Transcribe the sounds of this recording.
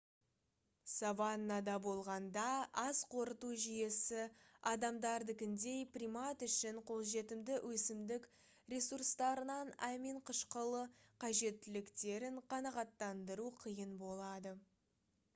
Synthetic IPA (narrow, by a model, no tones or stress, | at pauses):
sɑvɑnːɑd̪ɑbo̞lˠʁɑnd̪ɑɑzqʰo̞ɾət̪uʒije̞sɪɑd̪ɑmd̪ɑɾd̪ɪkʲɪnd̪e̞jprʲijmɑt̪ʏʃɪɴqʰo̞lˠʒe̞t̪ɪmd̪ɪwʔɵsɪmd̪ɪk | ɾʲe̞surst̪ɑɾənɑnæmiɴqʰəʃqəlˠəqʰɑʒe̞t̪ːɪlɪkt̪e̞ɾɪɴqʰɑnɑʁɑt̪ːɑnd̪əɾuqʰijənbo̞lˠɑd̪ə